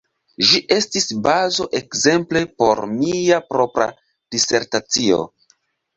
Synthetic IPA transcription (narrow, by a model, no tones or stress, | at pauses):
ʒiʔe̞stisbazo̞ʔe̞kze̞mple̞po̞̰ɾmiapɾo̞pɾa̰ | d̥ise̞ɾtat͡sio̰